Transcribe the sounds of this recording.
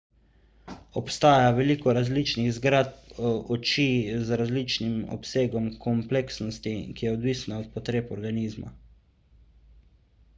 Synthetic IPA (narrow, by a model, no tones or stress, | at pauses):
ɔpst̪aːjaʋɛliːkɔɾazliːt͡ʃniɣzɡɾat̪̚ɔt͡ʃizɾazliːt͡ʃnimɔ̰pseːɡɔmkʰɔmpleksnɔst̪ikijɛɔd̪ʋiːsnaɔt̪̚pɔt̪ɾeːpɔɾɡaniːzma̰